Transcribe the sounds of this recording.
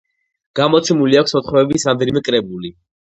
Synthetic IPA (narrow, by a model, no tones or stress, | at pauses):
ɡ̥amɔt̪sʰɛmuliakʰʷsɔt̪χɾɔɛbisɾamd̪ɛnimɛkʼɾɛbuli